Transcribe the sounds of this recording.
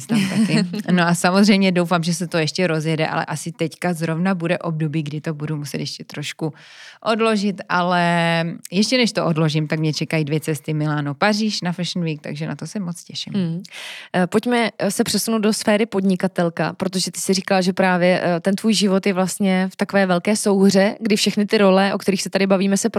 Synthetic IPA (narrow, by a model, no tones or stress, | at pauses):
st̪amt̪akɪnoʔasamozrɛjmɲɛdo̞wfaːmʒɛsɛt̪ojɛʃcɛɾo̞zjɛdɛʔa̰lɛ̰ʔasɪt̪ɛckazɾo̞vnabudɛʔo̞b̚dobiːɡdɪt̪o̞budumusɛt̪jɛʃcɛt̪ɾoʃku | ʔodlo̞ʒɪt̪ʔalɛjɛʃcɛnɛʃt̪oʔodlo̞ʒɪmt̪akmɲɛt͡ʃɛkajidvjɛt͡sɛst̪ɪmɪlaːnopariːʃnafɛʃn̩viːk̚t̪a̰ɡʒɛna̰t̪o̞sɛmo̞t͡scɛʃɪm | po̞cmɛsɛpr̥ɛsunowdo̞sfɛːɾɪpo̞dɲɪkat̪ɛlka̰pɾo̞t̪̬oʒɛt̪ɪ̥sɪrikalʒɛpɾaːvjɛt̪ɛnt̪vuːjʒɪvo̞t̪jɛvlast̪ɲɛft̪akovɛːvɛlkɛːso̞wɦr̝ɛɡdɪfʃɛxnɪt̪ɪɾo̞lɛʔo̞kt̪ɛɾiːxsɛt̪adɪbaviːmɛsɛp